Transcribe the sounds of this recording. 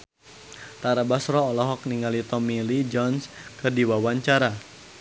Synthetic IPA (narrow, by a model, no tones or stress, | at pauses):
t̪aɾabasɾɔːlɔɦɔk̚niŋalit̪ɔmilid͡ʒɔnskɨrdiwawaɲt͡ʃaɾa